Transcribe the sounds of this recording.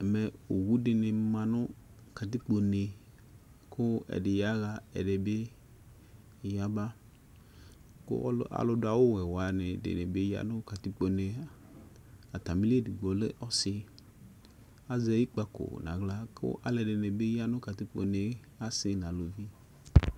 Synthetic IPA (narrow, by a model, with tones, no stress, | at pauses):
me˨o˨wu˦ɖɪ˨ne˨mã˨nʊ̃˦ | ka˨t̪i˦k͡po˨ne˨ | kʰʊ˦ɛ̰˨ɖɪ˨ja˦ɣa˦ɛ̰˨ɖe˨be˦˨ | ja˦ba˦ | kʊ̰˦a̰˨lʊ˦da˨wo˦wɛ˨wa˨ne˨dḛ˨nẽ˨be˦ja̰˦nʊ̃˦ka˨t̪i˦k͡po˨ne˨ | a˨t̪a˨mĩ˦li˦e˦di˨ɡ͡bɔ˨lḛ˦ʔɔ˦sɪ˦ | a˦zɛ˦ji˦k͡pa˦ko̰˨nã̰˨ɡla˦kʊ̰˦ʔa̰˨˦le˨ɖe˨ne˨be˦ja˦nʊ̃˦ka˨t̪i˦k͡po̰˨ne˨ | a˦sɪ˨˦nã˨lo˨vi˦